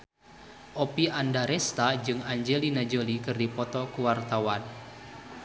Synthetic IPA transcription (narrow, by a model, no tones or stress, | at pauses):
ʔopiʔandaɾɛst̪ad͡ʒɨŋaɲd͡ʒelinad͡ʒolikɨrdipɔt̪ɔkuwart̪awan